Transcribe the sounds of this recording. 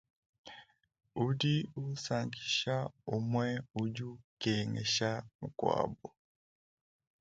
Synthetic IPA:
udiu˦saŋɡi˨ʃa˦u˦mwɛ˦u˦ɟu˦kɛŋɛ̰˨ʃa˦mu˨kwa̰bɔ˨

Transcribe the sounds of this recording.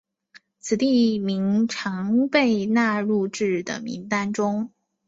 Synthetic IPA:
t͡sʰɹ̩˨˩t̪i˥˩mi˧˥ŋʈ͡ʂʰɑ˧˥ŋpe˥˧ɪna˥˧ɻu˥˧ʈ͡ʂɻ̩˥˩d̪ə̰˩mḭ˧˥ŋt̪a˥nʈ͡ʂʊ˥ŋ

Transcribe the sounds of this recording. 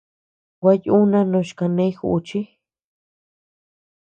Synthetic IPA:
wa˧ju˦nã˦nõ˧ʃka˧nẽ˧˦i˦xṵ˧ʔt͡ʃi˦

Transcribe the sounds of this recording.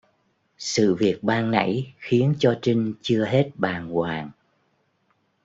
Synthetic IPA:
sɨ̰˧˨vi˨˩ət̚ɓaː˧ŋna̰˧˥jxi˨˦ənt͡ɕɔ˧t͡ɕï˧ŋ̟t͡ɕɨ˧əɦe˦˥t̚ɓaː˨˩nkwaː˨˩ŋ

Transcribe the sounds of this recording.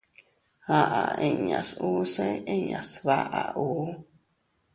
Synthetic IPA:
a˦ʔa˨e˧˨ɲa˨su˦se˦e˦ɲa˨sβa˦ʔa˨u˨˦

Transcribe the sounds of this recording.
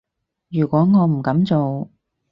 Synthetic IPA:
jyː˨˩kʷɔː˨˥ŋɔː˨˧m̩˨˩kɐ˨˥mt͡so˨w

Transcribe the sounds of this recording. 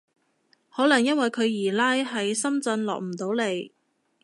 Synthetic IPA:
hɔː˨˥lɐ˨˩ŋjɐ˥nwɐ˨jkʰɵ˨˧ɥjiː˨˩laː˥jɦɐ˨jsɐ˥mt͡sɐ˧nlɔ̰ː˨k̚m̩˨˩t̪o˨˥wle˨˧j

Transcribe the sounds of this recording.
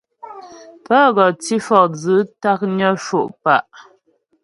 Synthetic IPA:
pə˦ɣɔ˨ti˦fɔ˨k̚d͡zə˨˦ta˦k̚ɲɔ˦ʃo˨ʔpa˦˨ʔ

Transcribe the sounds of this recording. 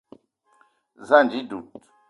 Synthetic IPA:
za˦˨nd͡ʒi˦du˨t̪

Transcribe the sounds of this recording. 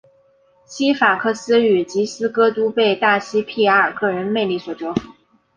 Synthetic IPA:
ɕʰi˥fa˨˩kʰɤ˥˩sɹ̩˥y˨˩t͡ɕi˧˥sɹ̩˥kɤ˥t̪u˥pe˥˧ɪt̪a˥˩ɕi˥pʰi˥˩ə˞˥˩kɤ˥˩ɻə˧˥nme˥˧ɪli˥˩swɔ˨˩ʈ͡ʂɔ˧˥ʊfu˨˩˦

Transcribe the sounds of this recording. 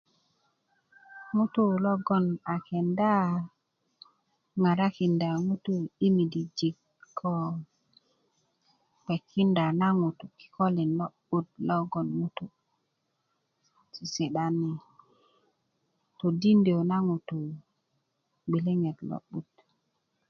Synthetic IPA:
ŋu˦tu˦lo˦ɡo˦na˨ke˨nda˦ | ŋa˨ɾa˦ki˨nda˨ŋu˦tu˦i˦mi˨di˨d͡ʒi˨k | kʰːo˦ | k͡pe˨kʰːi˦nda˨na˦ŋu˨t̪u˨ki̥˨ko˦li˨nlo˦ɓu˦t̚lo˦ɡo˨nmu˦tu˨ | si˨se˨ɗa˨ni˨ | t̪o˨di˦nde˨na˦ŋu˨tu˨ | ɡ͡bi˨li˦ŋe˨t̪lo̰˦ɓu˨t̚

